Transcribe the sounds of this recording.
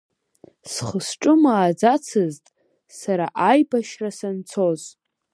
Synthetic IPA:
sχəsʈ͡ʂʼɨmaːd͡zat͡sʰɨztʼ | saɾaʔajbaʃrasant͡sʰo̞z

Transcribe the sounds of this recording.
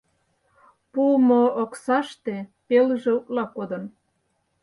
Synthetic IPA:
pumoːksɑʃt̪epelʒĕuklɑkod̪ɤ̆n

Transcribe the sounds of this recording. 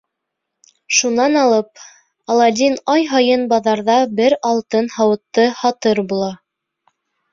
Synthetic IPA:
ʃunɑnɑlˠɤp̚ | ɑlˠɑd̪ʲinɑjɦɑjɤnbɑðɑɾðɑbɘɾɑlˠt̪ɤnhɑwɤ̆t̪ːɤhɑt̪ɤɾbulˠɑ

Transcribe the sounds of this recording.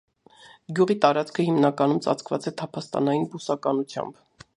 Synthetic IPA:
ɡjuʁit̪ɑɾɑt͡skʰəhimnɑkɑnumt͡sɑ̰t͡sʰkvɑ̰t͡sɛt̪ʰɑpʰɑst̪ɑ̰nɑjinbusɑkɑnut͡sʰjɑ̰mb

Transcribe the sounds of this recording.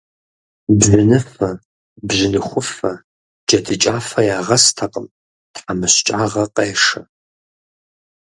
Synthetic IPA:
bʑʷɪnɨfɐ | bʑɪnɨχʷʊfɐ | d͡ʒɐdʰɨt͡ʃʼaːfɐjaːʁɐstʰaqəm | tħamɨɕt͡ʃʼaːʁɐqʼeːʂɐ

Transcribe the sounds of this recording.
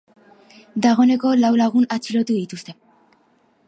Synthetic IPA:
d̪aɣ̞o̞ne̞ko̞lawlaɣ̞unat͡silo̞t̪uðit̪ust̪e̞

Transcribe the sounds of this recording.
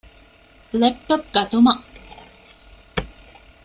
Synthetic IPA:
lepːɐp̚ɡɐt̪umɐʔ

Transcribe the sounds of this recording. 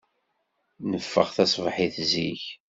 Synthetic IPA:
nəfːə̰ʁθæsˤvħiθziç

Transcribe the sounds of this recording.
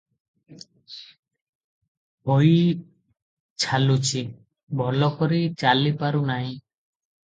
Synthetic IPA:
bʱɔj | t͡ʃʰalut͡ʃʰi | bʱɔlɔkɔɾit͡ʃalipaɾunaɦĩ

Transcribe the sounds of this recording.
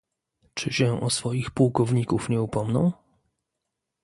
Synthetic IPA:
t͡ʂɘɕɛʔɔsfɔjixpuwkɔvɲikufɲɛupɔmnɔ̰̃w̃

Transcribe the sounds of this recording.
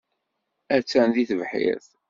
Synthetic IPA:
æt͡sːænðiθəvħḭɾθ

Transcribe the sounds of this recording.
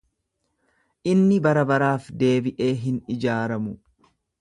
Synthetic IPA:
ʔɪnːɪbɐɾɐbɐɾaːfd̪e̞ːbɪʔe̞ːɦɪnɪd͡ʒaːɾɐmʊ

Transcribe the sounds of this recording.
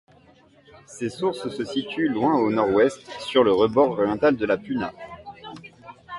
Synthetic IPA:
sesuʁssəsit̪ylwɛ̃onɔʁwɛst̪syʁləʁəbɔʁɔʁjɑ̃t̪ald̪əlapyna

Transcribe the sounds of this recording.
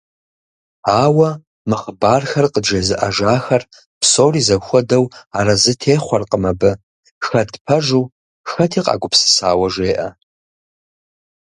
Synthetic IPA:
aːwɐ | mɨχəbaːrxɐrqəd͡ʒɐzɨʔaʒaːxɐr | pʰsoːrizɐxʷɔdɐwaɾɐzɨtʰeːχʷɔrqʼəmɐbɨ | xɐdʰpʰɐʒuː | xɐtʰiːqʼa̰ːɡʷʊpsɨ̥saːwɐʒeːʔɐ

